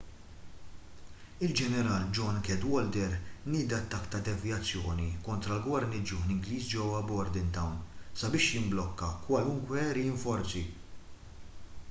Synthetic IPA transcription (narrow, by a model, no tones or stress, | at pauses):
ɪld͡ʒɛnɛɾɐːld͡ʒɔnkɛd̪wɔld̪ɛɾnɪːd̪ɐt̪ːɐkːt̪ɐd̪ɛvjɐt͡sːjɔːnikɔnt̪ɾɐlɡwɐɾnid͡ʒʊhnɪŋɡliːsd͡ʒɛwːɐbɔɾd̪ɪnt̪ɐwnsɐbɪːʃjɪmblɔkːɐkwɐlʊŋkwɛɛɾiɪɱfɔɾt͡si